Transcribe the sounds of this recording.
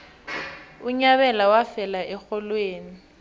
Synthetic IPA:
uɲaβɛlawafɛlaʔɛxɔlweːni

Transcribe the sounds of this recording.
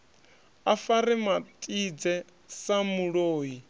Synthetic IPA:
afaɾimatʼid͡zɛ | samuɺoːji

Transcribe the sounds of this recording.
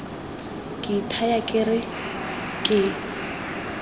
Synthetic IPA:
kʼɪtʰajakʼɪrɪ | kʼɪ

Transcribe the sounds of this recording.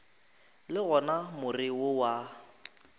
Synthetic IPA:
lɪɣɔnamʊrɪwʊwa

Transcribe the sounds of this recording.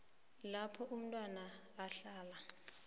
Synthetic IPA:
lapʰɔʔum̩tʼwanaː | ɬaːla

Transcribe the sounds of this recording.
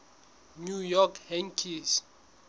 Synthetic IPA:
nujɔkʰhɛ̃ŋkʰis

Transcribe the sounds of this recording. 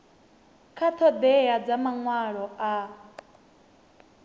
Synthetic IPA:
kʰat̪ʰɔd̪ɛjad͡zamaŋwaɺɔa

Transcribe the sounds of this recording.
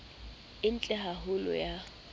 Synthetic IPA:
ɪn̩t͡ɬʼɛɦaɦʊlɔ̰ja

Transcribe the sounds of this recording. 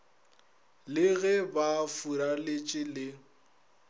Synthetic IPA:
lɪɣɛbafuɾalɪt͡ʃʼɪlɪ

